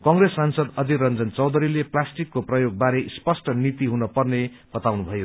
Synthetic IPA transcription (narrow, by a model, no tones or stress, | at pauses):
kʌŋɾesːansʌd̪ʌd̪ʱiɾʌnd͡zʌnt͡sʌwd̪ʱʌɾileplasʈikːoprʌjoɡ̚baɾespʌsʈʌnit̪iɦunʌpʌrne | b̥ʌt̪awnubʱʌjo